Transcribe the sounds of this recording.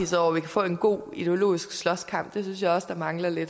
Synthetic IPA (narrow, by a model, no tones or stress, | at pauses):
ḭsɒ̰ʊ̰ɐʋikʰæfɔ̰̽ːe̝nɡ̥o̝̰ːid̥e̝o̝lo̝̰ːisɡ̥slɒ̽skʰɑ̈m̰b̥̚d̥e̝s̬ynsjɑ̈ɪɒ̽səd̥ɑ̈mɑ̈ŋlɐle̝d̥